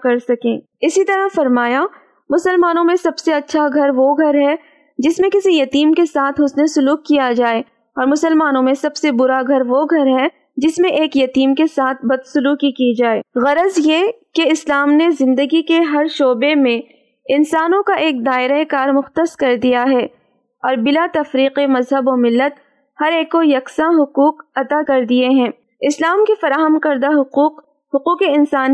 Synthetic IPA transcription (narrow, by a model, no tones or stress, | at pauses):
kɐɾsɐkẽː | ɪsit̪ɐɾaɦfɐɾmaːja | mʊsəlmaːnõmẽsɐbseɐtːʃʰaɡʱɐɾʋoɡʱɐɾɦɛ | d͡ʒɪsmẽkɪsijɐt̪iːmkesaːt̪ʰɦʊsnesʊluːkːijad͡ʒaːeː | ɔːɾmʊsəlmaːnõmẽsɐbsebʊɾaɡʱɐɾʋoɡʱɐɾɦɛ | d͡ʒɪsmẽʔeːkjɐt̪iːmkesaːt̪̚ʰbɐd̪sʊluːkikid͡ʒaːeːɣɐɾəzjekeɪslaːmnezɪ̃nd̪əɡikeɦɐɾʃoːbemẽ | ɪnsaːnõkaʔeːk̚d̪aːɪɾaekaːɾmʊxt̪əskɐɾd̪ijaɦɛː | ɔːɾbɪlat̪ɐfɾiːqemɐzɦəbomɪlːət̪̚ | hɐɾeːkːojɐksãɦʊquːqɐt̪akɐɾd̪ieɦɛ̃ː | ɪslaːmkefɐɾaːɦəmkɐɾd̪aɦʊuːq | hʊquːqeɪnsaːn